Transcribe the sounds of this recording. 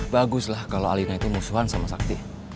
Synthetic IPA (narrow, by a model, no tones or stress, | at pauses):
baɡʊslahkaloa̰linait̪umusuɦansamasak̚t̪i